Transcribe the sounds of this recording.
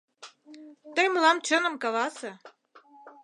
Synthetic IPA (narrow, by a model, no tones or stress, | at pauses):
t̪əjməlɑmt͡ɕənəmkɑlɑsĕ